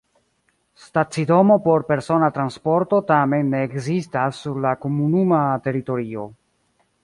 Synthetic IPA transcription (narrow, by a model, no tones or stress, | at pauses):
stat͡sido̞mo̞po̞ɾpe̞ɾso̞natɾanspo̞ɾto̞tame̞nːeːkzistasːuɾlakomunumate̞ɾito̞ɾio̞